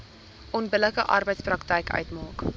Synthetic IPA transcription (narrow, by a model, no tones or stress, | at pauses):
ʔɔnbələkəʔɐrbəjtsprɐktɛjkʰœ̰ɥtmɑːk